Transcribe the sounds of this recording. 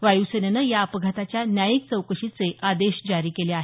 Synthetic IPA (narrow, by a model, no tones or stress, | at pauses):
ʋajusənanəjaəpəɡʱat̪at͡ɕjanjajik̚t͡səwkəʂit͡seʔad̪eɕd͡ʑaɾiːkeleaɦe